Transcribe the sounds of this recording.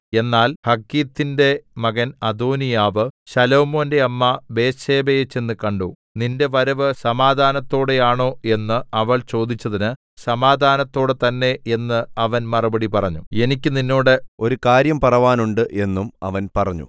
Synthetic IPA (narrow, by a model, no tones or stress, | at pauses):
e̞nːaːlhɐkːiːt̪ːinde̞mɐɣɐnɐd̪oːnijaːʋɨɕɐlo̞ːmo̞ːnde̞ɐmːɐbe̞ːɕe̞ːbejet͡ɕːe̞nːɨkɐɳɖuː | ninde̞ʋɐɾɐʋɨsɐmaːd̪ʱaːnɐt̪ːo̞ːɽejaːɳo̞ːe̞nːɨɐʋɐɭt͡ɕo̞ːd̪it͡ɕːɐðinɨ | sɐmaːd̪ʱaːnɐt̪ːo̞ːɽɨt̪ɐnːe̞e̞nːɨɐʋɐnmɐrɐbɐɽipɐrɐɲːṵe̞nikʲːɨninːo̞ːɽɨo̞ɾukaːɾjɐmpɐrɐʋaːnuɳɖɨʔe̞nːumɐ̰ʋɐnpɐrɐɲːṵ